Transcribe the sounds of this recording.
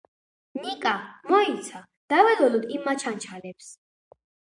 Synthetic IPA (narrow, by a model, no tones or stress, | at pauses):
nikʼamɔit̪sʰa | d̪̥avɛlɔlud̪imːat͡ʃʰant͡ʃʰalɛps